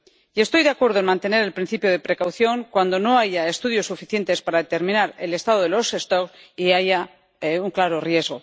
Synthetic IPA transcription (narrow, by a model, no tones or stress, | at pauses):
ie̞st̪o̞jðeakwe̞ɾðoenmãnt̪e̞ne̞ɾe̞lpɾin̟θipjoð̞e̞pɾe̞kawθjo̞ŋkwand̪o̞no̞aʝae̞st̪uð̞jo̞sːufiθje̞nt̪e̞spaɾaðet̪e̞ɾmĩnaɾe̞le̞st̪að̞oð̞elo̞sest̪okiaʝa | uŋklaɾo̞rje̞zɣo̞